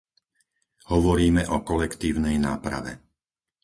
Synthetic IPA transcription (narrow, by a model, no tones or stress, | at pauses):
hɔʋɔɾiːmɛʔɔkɔlɛkt̪iːʊnɛjnaːpɾa̰ʋɛ̰